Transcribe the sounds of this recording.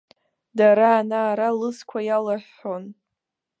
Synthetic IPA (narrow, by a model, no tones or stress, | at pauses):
daɾaːnaːɾalɨskʷʰajalaħːon